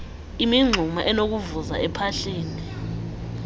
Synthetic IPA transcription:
imiŋ͡ǀʱumaʔɛnok̬uvuza̰ɛpʰaɬiːni

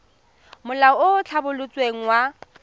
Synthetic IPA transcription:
mʊlaɔot͡ɬʰabʊlʊt͡sʼweŋ̩wa

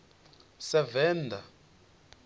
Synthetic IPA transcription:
sɛvɛːndʱa

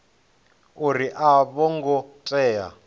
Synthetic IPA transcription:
uɾiʔaβɔŋɡɔtʼɛːja̰

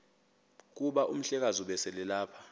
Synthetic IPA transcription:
k̬uɓaʔum̩ɬɛk̬azuɓɛsɛlɛlaːpʰḁ

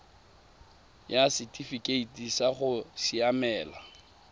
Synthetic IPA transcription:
jasitʼifikʼeitʼisaχʊsiamɛːla

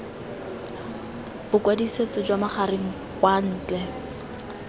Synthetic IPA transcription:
b̥ʊkwadiset͡sɔd͡ʒwamaχaɾeŋ̩ | kwan̩ːt͡ɬɛ

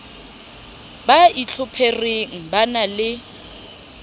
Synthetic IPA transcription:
bait͡ɬʰʊpʰerɪŋ̩banalɪ

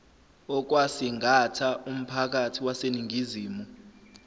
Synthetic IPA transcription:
ɔk̬wasiŋʱatʰaʔum̩pʰak̬atʰiwaseniŋʱiziːmu

